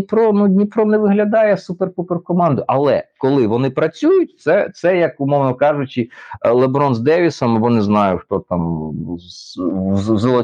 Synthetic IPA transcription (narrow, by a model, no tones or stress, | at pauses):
pɾɔnunʲipɾɔnɛʋɪɦlʲɐd̪ɑjɛsuperkuperkɔmɑnd̪ʊʔɐlˠɛkɔlˠɪʋɔnɪpɾɐt͡sʲujʊt̚ʲt̪sɛt̪sɛjɐkʊmɔwnɔkɑʒʊt͡ʃɪlˠebɾɔnzd̪ɛʋʲisɔmɐbɔnɪznɑjʊxt̪ɔt̪ɑm | zlˠɔ